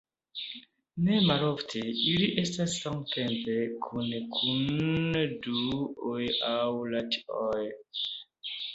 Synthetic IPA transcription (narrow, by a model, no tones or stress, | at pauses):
nemaloftʰeiliʔe̞stasːamtʰempekʰunkʰun | duojawlatioj